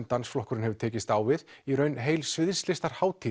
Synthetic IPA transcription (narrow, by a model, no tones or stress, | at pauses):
nt̪ansflɔhkʏɾɪnɦɛvʏɾ̥t̪ʰɛːcɪst̪aːwvɪðiɾœːɥnɦeːjlsvɪð̥st̪lɪst̪aɾ̥haːwt̪ʰi